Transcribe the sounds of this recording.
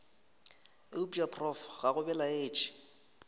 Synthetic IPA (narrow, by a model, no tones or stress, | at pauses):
ɪubapʰʼrɔfɣaɣʊbɛlaeːt͡ʃʰɪ̥